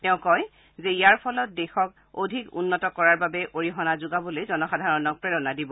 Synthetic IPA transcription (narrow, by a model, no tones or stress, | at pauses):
tɛʊ̃kɔj | zɛijaɹpʰɔlɔt̚dɛxɔk | odʱikṵnːɔtɔkɔɹaɹbabɛʔoɹiɦɔnazʊɡabolojzɔnɔxadʱaɹɔnɔk̚pɹɛɹɔnadibɔ